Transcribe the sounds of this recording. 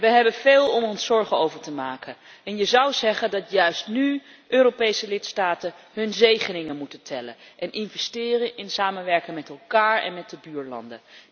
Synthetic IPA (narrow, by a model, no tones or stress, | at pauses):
ʋəɦɛbənv̥eːlˠɔmɔnsɔɹχənowvəɹtəmaːkəɛnjəzʌwzɛχəndɑtjœɥstny | ʔøːropejsəlɪtstaːtə | ɦɵnzejχənɪŋənmutəntʰɛlə̰nʔɛnʔɪnvɛstɪːrənʔɪnsaːmənʋɛɹkɪŋmɛtɛlˠkaːɹɛ̰nmɛt̚dəbyːɹlɑ̰ndə̰